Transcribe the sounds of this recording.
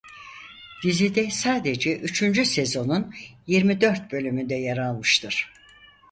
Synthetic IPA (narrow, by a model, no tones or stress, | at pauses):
d̪̥izid̪ɛsaːd̪ed͡ʒɛʔyt͡ʃʰynd͡ʒyse̞zo̞nunjiɾmid̪ø̞ɾt̪̚bø̞lʲymynd̪ɛjaɾalˠmɯʃt̪ʰɯɾ̥